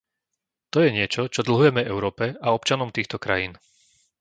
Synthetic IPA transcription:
t̪ɔjɛɲɪɛt͡ʃɔt͡ʃɔd̪l̩ɦujɛmɛvɛʊɾɔːpɛaɔp̚t͡ʃanɔmt̪iːxt̪ɔkɾa̰jiːn

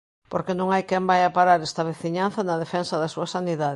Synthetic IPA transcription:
poɾkenõŋajkɛmbajapaɾaɾɛst̪ɐβ̞eθiɲanθɐnɐðefɛnsɐðɐsuɐsaniðað

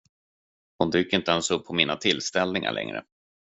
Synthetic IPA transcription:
hʊnd̪yːkɪnt̪əɛnsɵpʰːɔmiːnat̪ʰɪlːst̪ɛlnɪŋa̰ɭʔɛ̰ŋɾə̰

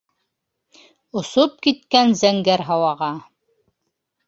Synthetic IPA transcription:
ŏsop̚kit̪kænzæŋɡæɾɦɑwɑʁɑ

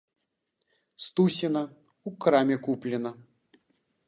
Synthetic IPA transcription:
st̪usʲinɐ | ukɾamʲɛkuplʲɛnɐ

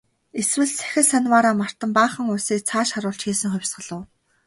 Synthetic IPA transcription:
eswɘ̆ɮt͡sʰæ̥xʲɪ̆rsanwaːɾaːmar̥t̪ə̆mpaːχə̆ŋʊjsiːk̚t͡sʰaːʃχaɾʊːɬt͡ɕxiːsɘ̆ŋχʊwʲsɢə̆ɮʊ̆ː

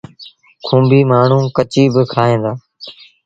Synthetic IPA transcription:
kʰũːmbʱiːmaːɳ̤ũːkət͡ʃiːbɪkʰaːɦẽːnd̪aː

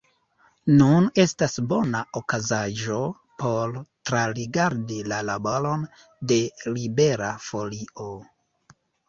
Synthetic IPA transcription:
nune̞stasbo̞naokazaʒo̞ | po̞ɾtɾaɾiɡaɾdilalaboɾo̞n | de̞libe̞ɾafo̞lio̞

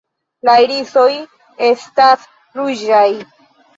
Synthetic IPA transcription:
lajɾiso̞j | e̞stas | ɾud͡ʒaj

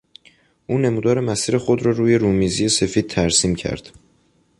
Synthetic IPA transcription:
ʔuːne̞muːd̪ɒːɾe̞mæsiːɾe̞xo̞d̪ɾɒːɾuːje̞ɾuːmiːzije̞se̞fiːd̪̥̚t̪ʰæɾsiːmcʰæ̰ɾd̪̥

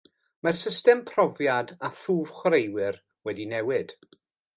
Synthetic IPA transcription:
marsɪstɛmpʰrɔvjadaθuːv̥χwɾejwɪr | wɛdinɛwɪd̥

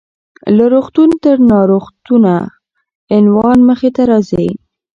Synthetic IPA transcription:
laɾoxt̪unt̪əɾnɑɾoxt̪una | ɪnwɑnməxet̪aɾɑzə

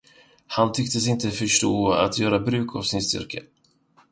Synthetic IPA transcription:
hant̪ʰʏkt̪əsɪnt̪əfœʂʈoːa̰t̪ʰjœːɾabɾʉ̟ːkʰavsɪnst̪ʏ̰ɾkə̰

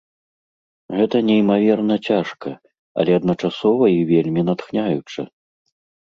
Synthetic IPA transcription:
ɣɛt̪ɐnʲɛimavʲɛrnɐt͡sʲaʂkɐ | ɐ̰lʲɛɐd̪nɐt͡ʂasɔvɐivʲelʲmʲinat̪xnʲajut͡ʂɨ̰

